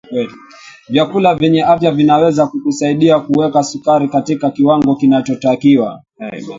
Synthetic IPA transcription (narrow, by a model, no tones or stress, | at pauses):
kwɛli | vjakulavjɛɲɛafjavinawɛzakukusaiɗiakuwɛkasukaɾikatikakiwaŋɡɔkinat͡ʃɔtakiwa̰